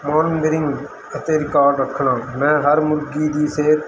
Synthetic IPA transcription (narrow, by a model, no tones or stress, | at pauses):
moːnːɡ̪əɾɪ̃ŋɡ | ət̪eːɾɪkaːɾɖɾəkʰːɳãːmɛ̃ːɦəɾmʊlɡiːd̪iːseːt̪